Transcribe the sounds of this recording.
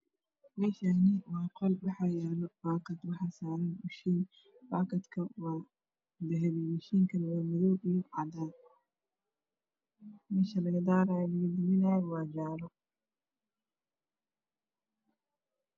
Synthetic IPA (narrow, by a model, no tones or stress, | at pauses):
mɛːʃaːnɪwɑːqɔlbɑħɑjaːnɔbaːkʰɐd̪wɑħɑːsaːɾɐnbʊʃin | baːkʰɐd̪kʰɐwɑː | d̪ɛɦɛβimɐʃiːŋkʰɐnwaːmɪðɔwijʕɑd̪aːn | mɛːʃɐlɐɣɐd̪aːɾaːjɐlɐɣɐd̪ɪmɪnaːjwɑːd͡ʒaːlɔ